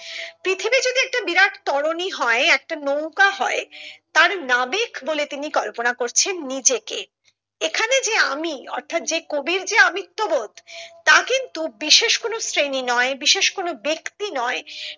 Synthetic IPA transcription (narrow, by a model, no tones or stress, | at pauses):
pɾit̪ʰibid͡ʑod̪iɛk̚ʈabiɾaʈʰt̪ɔɽoniɦɔeɛk̚ʈanowkaɦɔet̪aɾnabekbolet̪inikɔlponakoɾt͡ɕʰenːid͡ʑeke | ekʰaned͡ʑeamiɔ̰ɾt̪ʰat̪̚d͡ʑekobiɾd͡ʑeamit̪ːobod̪t̪akint̪ubiʃeʃkonosɾeninɔebiʃeʃkonobekt̪inɔe